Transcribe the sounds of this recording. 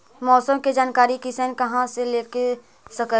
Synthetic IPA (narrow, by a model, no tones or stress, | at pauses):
mɔːsəmked͡ʒaːnkaːɾikisənkɐɦãseleːke | sɐkə